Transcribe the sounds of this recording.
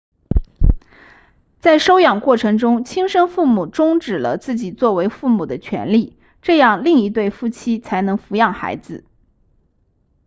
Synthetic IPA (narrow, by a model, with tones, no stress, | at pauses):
t͡sa˥˩ɪʂo˥ʊjɑ˨˩ŋkwɔ˥˩ʈ͡ʂʰɤ˧˥ŋʈ͡ʂʊ˥ŋt͡ɕʰi˥ŋʂɤ˥ŋfu˥˩mu˨˩ʈ͡ʂʊ˥ŋʈ͡ʂɻ̩˨˩lə̰˦t͡sɹ̩˥˩t͡ɕi˨˩t͡swɔ˥˩we˧˥ɪfu˥˩mu˨˩d̪ə˦t͡ɕʰɥɛ̰˧˥nli˥˩ | ʈ͡ʂɤ˥˧jɑ˥˧ŋli˥˩ŋi˧˥t̪̬we˥˩ɪfu˥t͡ɕʰi˥t͡sʰa˧˥ɪnɤ˧˥ŋfu˧˥jɑ˥˩ŋxa̰˧˥ɪd͡zɹ̩˧